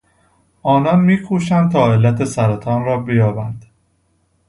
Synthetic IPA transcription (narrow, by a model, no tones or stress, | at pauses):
ʔɒːnɒnmiːkʰuːʃænt̪ʰɒːe̞lːæt̪ʰe̞sæɾæt̪ʰɒːnɾɒːbejɒːbænd̪̥